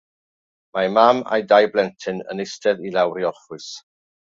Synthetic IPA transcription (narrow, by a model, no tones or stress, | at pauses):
mamama̰jdajblɛntʰɪnə̰nɪstʰɛðilˠawɾiɔlχʊɨs